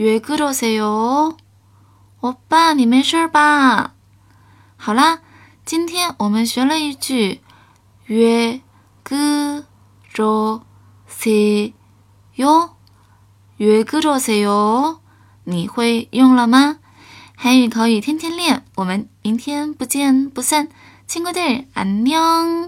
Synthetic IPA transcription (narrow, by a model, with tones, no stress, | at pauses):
ɥɛ˧˥kɯ˥ʈ͡ʂo˧˥ʊse˧˩ɪjo˧˥ | wɔ˨˥pa˥˩ni˨˩me˧˥ɪʂə˥˧pa˧ | xɑ˨˩lə˦ | t͡ɕi˥nt̪ʰjɛ˥nwɔ˨˩mə˦nɕɥɛ˧˥lə˧i˧˥t͡ɕy˥˩ | ɥɛ˧˥ | kɤ˥ | ʈ͡ʂo˧˩ | se˧˩ | jo˥ʊ | ɥɛ˧˥kɤ˥ʈ͡ʂo˧˩se˧˩jo˧˥ʊ | ni˨˩xwe˥˧ɪjʊ˥˩ŋlə˨ma˧ | xa˧˥ɪy˨˩kʰɑ˧˥ʊy˨˩t̪ʰjɛ˥nt̪ʰjɛ˥nljɛ˥˩nwɔ˨˩mə˧˦ni˧˥nt̪ʰjɛ˥npu˧˥t͡ɕjɛ˥˧npu˧˥sa˥˩n | t͡ɕʰi˥ŋkwo˥t̪we˥˩ɪa̰˧˥nnjɑ˥˧ŋ